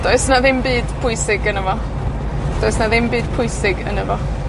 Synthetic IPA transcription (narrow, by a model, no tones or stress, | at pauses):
d̥oɨsnaðɪmbiːd̥pʰʊjsɪɡənəvɔ | d̥oːɨsnaðɪmbiːd̥pʰʊjsɪɡə̰nəvɔ